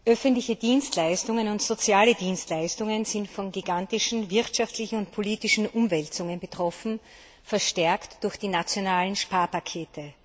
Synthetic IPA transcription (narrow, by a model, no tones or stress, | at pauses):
ʔœfəntlɪçədiːnstlaɪstʊŋənʊntz̥ot͡sjaːlədiːnstlaɪstʊŋənzɪntfɔnɡiɡantɪʃn̩vɪɐtʃaftlɪçn̩ʊntpʰoliːtɪʃn̩ʔʊmvɛltt͡sʊŋənbətʁ̥ɔfn̩ | fɛɐʃtɛɐktd̥ʊɐxd̥iːnat͡sjonaːlənʃpaːɐpakʰeːtʰə